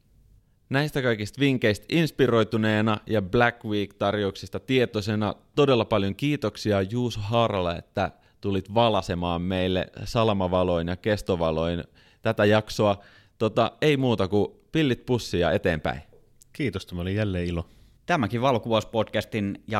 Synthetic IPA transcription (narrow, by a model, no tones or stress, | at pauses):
næist̪ækɑikist̪ʋiŋkeist̪inspiro̞jt̪uneːnɑjɑblækwiːkt̪ɑrjouksist̪ɑt̪iet̪osenɑ̰t̪odelːɑpɑljoŋkiːt̪oksiɑjuːsoɦɑːrɑlːɑḛt̪ːæ | t̪ulit̪ʋɑlɑsemɑːmmeilːḛsɑlɑmɑʋɑlo̞jnjɑke̞st̪oʋɑlo̞in | t̪æt̪æjɑksoɑ | t̪ot̪ɑeimuːt̪ɑkupilːit̪̚pusːiɑ̰e̞t̪eːmpæ̰in | kiːt̪ost̪æmæolijjælːeːilo | t̪æmækiʋɑlkuʋɑspotkæst̪injɑ